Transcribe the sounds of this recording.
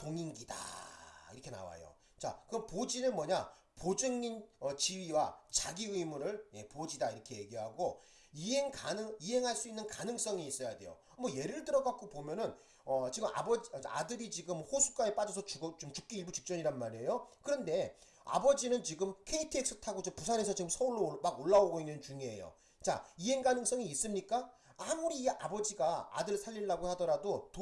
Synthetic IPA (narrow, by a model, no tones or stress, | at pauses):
toŋinɡida̰ḭɾʌkʰe̞na̰wa̰jo̰ | t͡ɕa̰kɯʌnpod͡ʑinɯnmwʌɲa | pod͡ʑɯŋɲinʌt͡ɕiɥiwat͡ɕaɡiɯimuɾɯɭje̞pod͡ʑidaiɾʌkʰe̞je̞ɡiɦaɡo | iɦeŋkanɯiɦe̞ŋɦaɭs͈uinːɯnkanɯŋs͈ʌŋiis͈ʌjade̞̰jo̰ | ʌmʌje̞ɾɯɭtɯɾʌɡak͈opomjʌnɯn | ʌt͡ɕiɡɯma̰bʌd͡ʑa̰dɯɾit͡ɕiɡɯmhosʰu̥k͈aep͈ad͡ʑʌs̬ʰʌt͡ɕut͡ɕomt͡ɕuk̚k͈iiɭbut͡ɕik̚t͡ɕ͈ʌɲiɾanmaɾe̞jokɯɾʌnde̞ | a̰bʌd͡ʑinɯnt͡ɕiɡɯmkʰe̞itʰɯek̚s͈ɯtʰaɡot͡ɕopusʰanɦe̞sʰʌt͡ɕiɡɯmsʰʌuɭːomaɡoɭːaoɡoinːɯnt͡ɕuŋie̞̰jo̰ | t͡ɕa̰iɦe̞ŋɡanɯŋs͈ʌŋiːs͈ɯmɲik͈aamuɾia̰bʌd͡ʑiɡaa̰dɯɭsʰaʎːiɭːaɡohadʌɾadoto